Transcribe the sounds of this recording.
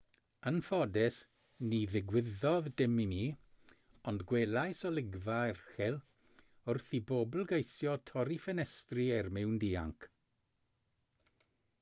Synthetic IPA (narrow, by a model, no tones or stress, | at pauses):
ənfɔdɛs | niðɪɡwɪðɔðdɪmini | ɔndɡwelˠajsɔlɪɡvaɛrχɛlˠ | ʊrθibobl̩ˠɡejsjɔtʰɔɾifɛnɛstriɛrmɪwndiːa̰ŋkʰ